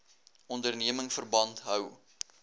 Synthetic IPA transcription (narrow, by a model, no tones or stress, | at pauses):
ɔndərniəməŋfərbɐntɦœw